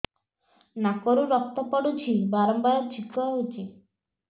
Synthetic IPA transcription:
nakɔɾuɾɔk̚t̪ɔpɔɽut͡ʃʰibaɾɔmbaɾɔt͡ʃʰikʰɔɦut͡ʃʰi

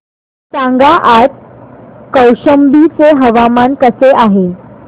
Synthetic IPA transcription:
sãŋɡaʔat̪ | kəwɕəmbit͡seɦəʋamankəseʔaɦe

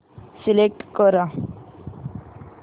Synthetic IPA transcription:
silek̚ʈkɔɾa

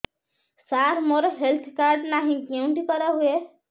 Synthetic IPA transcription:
saɾmoɾɔɦelt̪ʰkaɾɖnaɦĩkewɳʈikʌɾɔɦue

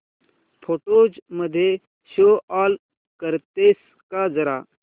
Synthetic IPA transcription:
pʰoːʈoːd͡ʒməd̪ʱje | soːaːl | kəɾt̪eːs | kad͡zɐɾa̰ː

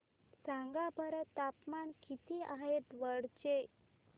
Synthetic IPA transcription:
sãŋɡabʱəɾət̪apmankit̪iaɦet̪ʋəɽt͡ɕe

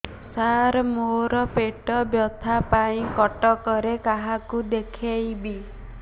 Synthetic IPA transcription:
saɾɔmoɾɔpeʈɔbjɔt̪ʰapaĩkɔʈɔkɔɾekaɦakud̪ekʰejbi

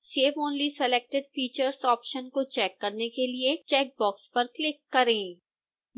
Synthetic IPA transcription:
seːʋõːnlisɛleːk̚ʈɪɖ̚fiːt͡ʃəɾsɔːpʃənkot͡ʃɛːkːɐɾnekeliet͡ʃɛːk̚bɔːkspɐɾklɪkːɐɾẽː

